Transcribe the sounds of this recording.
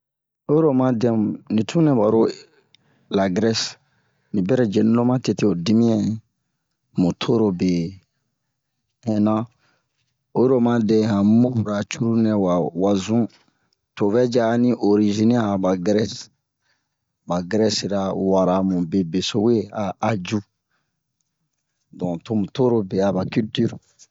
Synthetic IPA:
o˦ɾo˦mã˦dɛ̃˦m˨nĩ˨tʰũ˦nɛ̃˨ba˨ɾo˦ | la˨ɡɾɛ˦s | nĩ˨bɛ˦ɾɛ˨d͡ʒe˨nĩ˦lo˦mã˦te˨te˦o˨di˦mĩ˦ɛ̃˨ | mũ˨tʰo˦ɾo˨be˨ | ɛ̃˨nã˦ | o˦ɾo˨mã˦dɛ̃˨ɦã˨mo˦˨ɾa˨t͡ʃu˦ɾu˦nɛ̃˨wa˨wa˨zũ˦ | to˨vɛ˦d͡ʒa˦nĩ˦ʔo˨ɾi˨ʒi˦n˦a˦˨ba˨ɡɾɛ˦s | ba˨ɡɾɛ˦si˨ɾa˨wa˨ɾa˨mũ˨be˨be˨so˦we˦aː˨d͡ʒu˦ | dɔ̃˨to˦mũ˨to˦ɾo˦be˨a˨ba˨ky˦lty˦ɾ

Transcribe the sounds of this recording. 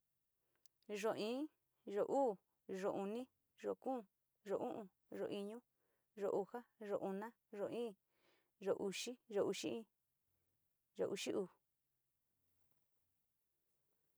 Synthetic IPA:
ʐo˨ĩː˦ | ʐo˨ʔuː˦˨ | ʐo˨ʔu˧nĩ˦ | ʐo˨kũː˦˧˨ | ʐo˨ʔũ˦ʔũ˧ | ʐo̰˨ʔi˧ɲũ˦ | ʐo˨ʔu˧ha˦ʐo˨ʔu˧nã˦ | ʐo˨ĩː˦˨ | ʒo˨ʔu˧ʃi˦ʒo˨ʔu˧ʃi˦ʔĩ˦ | ʐo̰˨ʔu˧ʃi˦ʔuː˧˨

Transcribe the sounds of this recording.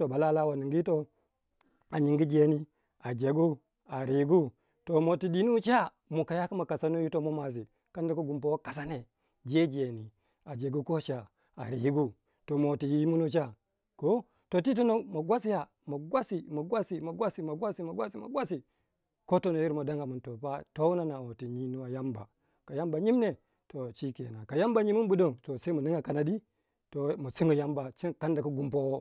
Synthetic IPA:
o˨ba˨la˦la˦wa˨ni˨ŋɡi˦i˦to˦ | a˨ɲi˨ŋɡi˦d͡ʒe˨ni˦ | a˨d͡ʒe˨ɡu˦ | a˨ɾi˨˦ɡu˦ | to˨mo˨ti˨ɗi˨nu˦t͡ʃa˦ | mu˨ka˨ja˦ku˦ma˨ka˨sa˦nu˦ji˦to˦mo˦ma˨z̬i˨ | ka˦nda˦ku˦ɡu˨mpo˨wka˨s̬a˦ne˨ | d͡ʒe˦d͡ʒe˨ni˨ | a˨d͡ʒe˨ɡu˦ko˦ʃa˨ | a̰˨ɾḭ˨ji˦ɡu˦ | to˨mo˨ti˨ji˦mu˦nu˦t͡ʃa˦ | ko˦ | to˨ti˦t̬o˦no˦˨mo˨ɡwa˦si˦ja˨ | mo˨ɡwa˦si˨mo˨ɡwa˦si˨mo˨ɡwa˦si˨mo˨ɡwa˦si˨˦mo˨ɡʷwa˦si˦mo̰˨ɡʷwʷa˦si˨ | ko˦to˦no˨ji˦ɾmo˨da˦ŋɡa˨mu˨nto˨pa˦to˦u˦na˦na˨wo˨ti˨ɲi˦nu˦a˨ja˦mba̰˨ | ka˨ja˦mba˨ɲi˦m˦ne˨ | to˨t͡ʃi˦kḛ˨na˨ka˨ja˦mba˨ɲi˦mu˦bu˦do˦ŋto˨se˦mu˨ni˦ŋɡa˨ka˨na˨di˦ | to˨mu˨t͡si˦ŋɡu˨ja˦mba˨t͡ʃi˦˨ka˦nda˨ku˦ɡu˦mpo˦wo˦

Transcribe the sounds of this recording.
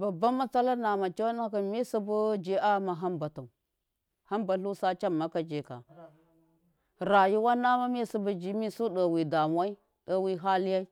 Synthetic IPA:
ba˨ba˦mːa˦t͡sa˦la˦na˨ma˨t͡ʃa˦n˦ka˨mi˦su˦bu˦d͡ʒi˦a˦ma˨ɦa˦mba˨tu˨ | ha˦mba˨ɬu˦sa˦t͡ʃa˦mːa˦ka˨d͡ʒe˨ka̰˨ | ɾa˨ji˦wa˦na˦ma˦mi˦su˦bu˨˦d͡ʒi˦mi˦su˦ɗə˨wi˨da˨mʷ˦a˦i˦ | ɗa˦wi˦ɦa˦li˦ja˦i˦

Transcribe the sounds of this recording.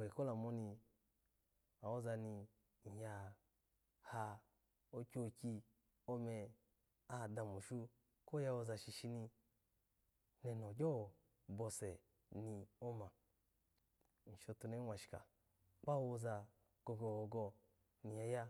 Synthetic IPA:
i˨ko˦la˨mo˧ni˧ | a˨wo˦za˧ni˧ | n̩˨ha˧ | ha˧ | o˦kʲo˧kʲi˧ | o˦mɛ˧ | a˦˨da˧mu˨ʃu˦ | ko˦ja˧wo˧za˧ʃi˧˨ʃi˧ni˧ | nɛ˨no˨ɡʲɔ˦˨ | bɔ˧sɛ˨ | ni˧o˦ma˨ | n̩˨ʃo˧tu˧ne˦wʷa˨ʃi̥˨ka̰˨ | k͡pa˦wo˧za˧ | ɡ̥o˧ɡɔ˧˨ɡo˧ɡɔ˧ | ni˨ja˧ja˦

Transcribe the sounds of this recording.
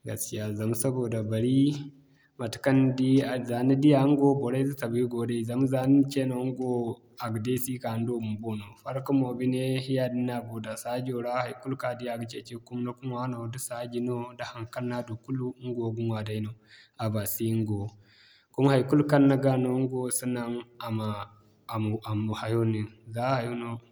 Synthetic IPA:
ɡa̰˨ski˦ja˦za˨m˦sɐ˦boː˨da˨bɐ˨ɾi˦ | ma˨tu̥˨˦kɐ˦ndi˦a˨za˨ni˦di˦ja˨˦ŋ˦ɡo˦bo˨ɾa˦zu˦ta˨bi˦ɡo˨da˦i˦˨za˨˦m˦za˨ni˦nt͡ʃe˦no˨˦ŋɡo˦ | a˨ɡde˦si˦ka˨n˦do˦mu˨mbo˦no˨ɸa˦ɾku˦mo˨bi˦ne˦hja˦˨di˦na˨bo˨da˨sa˦d͡ʒo˨ɽa˦ha˨jku˦lka˨di˦ja˨ɡt͡ʃe˦t͡ʃe˦ku˦m˦na˦ku˦mwa˦no˨du˦sa˦ɡʲi˨˦no˦da˦ha˨ŋka˦nːa˦du˨ku˦lu˦ŋ˦ɡo˨ɡu˦nwa˨da˦i˦no˨ | a˨ba˨si˦ŋ˦ɡo˨ | ku˦m˦ha˨ku˦lu˦ka˦nːa˦ɡa˦no˦ŋ˦ɡo˦su˦na˦ŋa˨ma˨ | a˨mu˨ha˨jo˦ni˨nza˦ha˨jo˦no˦

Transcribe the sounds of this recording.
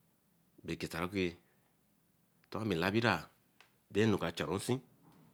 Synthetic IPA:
be˨ke˨ta˨ɾa˦ku˦e˨ | to˦a˦mi˨la˦bi˦ɾa˨ | de˦nu˨ka˨t͡ʃa˨ɾo˨˦n̩˦si˦

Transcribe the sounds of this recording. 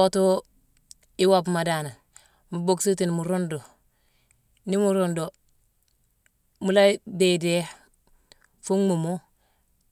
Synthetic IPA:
o˦to˦ | i˦wabma˨da˨na˨n | mu˨bo˦˨ksi˦ti˨nmu˨ɾo˦ndo˨ | ni˦mu˨ɾondo˨ | mu˨la˦be˨de˦ | fu˦ŋmu˨mo˦

